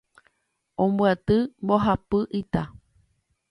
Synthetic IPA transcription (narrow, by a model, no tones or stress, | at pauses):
õmbuat̪ɨmboɦapɨʔit̪a